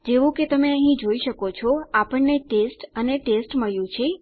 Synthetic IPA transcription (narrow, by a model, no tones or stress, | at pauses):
d͡ʒeʋũket̪əmeəɦĩd͡ʒoiʃəkot͡ʃʰɔapəɳneʈesʈəneʈesʈməɭjũt͡ʃʰe